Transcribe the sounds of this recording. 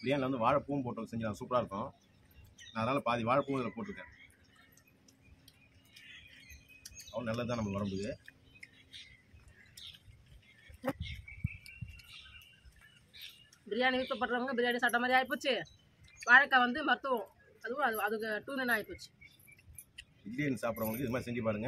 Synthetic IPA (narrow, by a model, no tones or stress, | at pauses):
b̥ɪɾɪjaːnɪlɐʋɐnd̪ɯʋaːɻɐpuːʋmpoːʈːõsɛɲd͡ʒɪnaːsuːpːɽaːɾɯkːõː | naːɐðɐnaːlɐpaːðiʋaːɻɐpːuːʋɐðɐlɐpoːʈːɯɾɯkːẽː | ɐʋɐ̃nɐlːɐðɯt̪ãːnɐmːɐʋɐɾɐmbɯðɯ | bɪɾɪjaːniʋɪt̪ːɐp̬ːɐʈːɾɐʋɯŋɡɐbɪɾɪjaːnisaːʈːɐmaːd̪ɾiaːjp̬ːɯːt͡ʃːɯ | ʋaːɻɐkːaʋɐnd̪ɯmɐt̪ːɯʋõ | ɐðɯʋʊ̃ɐðɯɐðɯkːɯʈuːnɛnaːjpːɯt͡ʃːɯ̥ | ɪlliɛnːɯsaːpɯɾɐ̃ʋɐnɡ̪ɯɪðɯmaːɾisɛŋd͡ʒipaːɽɯŋɡɐ